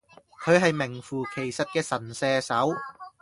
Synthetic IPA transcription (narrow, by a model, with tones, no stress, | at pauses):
kʰɵ˨˧ɥɦɐ˨jmɪ˨˩ŋfuː˨˩kʰe˨˩jsɐ˨t̚kɛː˧sɐ˨˩nsɛː˧sɐ˨˥w